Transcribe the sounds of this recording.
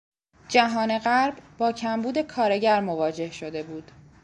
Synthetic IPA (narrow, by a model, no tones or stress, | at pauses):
d͡ʒæɦɒːne̞ɣæɾbbɒːcʰæmbuːd̪e̞kʰɒːɾe̞ɟæɾmovɒːd͡ʒe̞hʃo̞d̪e̞buːd̪̥